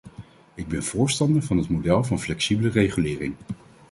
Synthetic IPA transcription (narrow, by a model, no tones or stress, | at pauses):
ɪɡ̚bɛnv̥ʊːɹstɑndəɹvɑnɦətmodɛlˠvɑnflɛksibələrejχylɪːrɪŋ